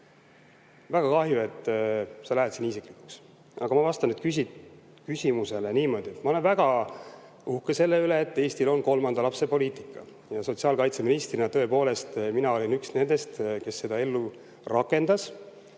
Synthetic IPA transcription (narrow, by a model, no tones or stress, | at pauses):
væɡ̥ɑkɑhjue̞t̪ːˑsɑlæɦet̪sinisikˑlikˑu̥ks | ʔɑ̰ɡ̥ɑmɑvɑst̪ɑnyt̪kysi | kysʲimuse̞leniːmo̞d̪̥ie̞t̪ːmɑole̞nvæɡ̥ɑ | uhkese̞lːe̞yle̞ːt̪ːˑe̞ːsʲt̪ilo̞nko̞lmɑnd̪ɑlɑpse̞po̞liːt̪i̥kːɑ̰ | jɑso̞t̪siɑːlkɑjt̪se̞minist̪rinɑt̪ø̞epo̞ːle̞st̪minɑo̞lʲinyksne̞nd̪̥e̞st̪ke̞sːe̞d̪ɑe̞lːu | rʔɑkːˑe̞nd̪̥ɑs